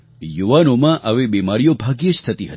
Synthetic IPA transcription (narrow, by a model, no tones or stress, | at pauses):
juʋanomãʔəʋebimaɾijobʱaɡjəst̪ʰət̪iɦət̪i̥